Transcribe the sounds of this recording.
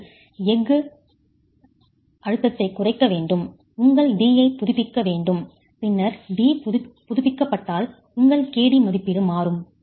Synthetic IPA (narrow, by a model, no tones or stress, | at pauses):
ɛɡɯ | ʔɐɻɯt̪ːɐt̪ːɐɪkːʊrɐɪkːɐʋeːɳɖɯm | ʊŋɡɐɭɖiːjɐɪpːʊðʊpːɪkːɐʋeːɳɖɯm | pɪnːɐɾɖiːpʊðʊpːɪkːɐpːɐʈːaːl | ʊŋɡɐɭkeːɽimɐðɪpːɪɽɯmaːɾɯm